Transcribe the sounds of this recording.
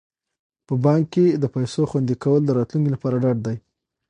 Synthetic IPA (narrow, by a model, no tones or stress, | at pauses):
pəbɑŋkkːed̪əpajsoxwand̪ikawəld̪əɾɑt̪luŋkilapɑɾaɖɑɖ̚d̪aj